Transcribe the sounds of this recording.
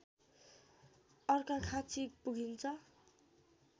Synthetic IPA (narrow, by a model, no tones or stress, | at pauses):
ʌrkakʰat͡sʰik̚puɡʱint͡sʰʌ